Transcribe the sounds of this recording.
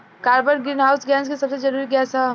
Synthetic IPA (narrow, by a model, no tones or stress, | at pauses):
kaːɾbəɾɡɾinɦaʊsɡɛːnskesɐbsed͡ʒɐɾuːɾiɡɛsa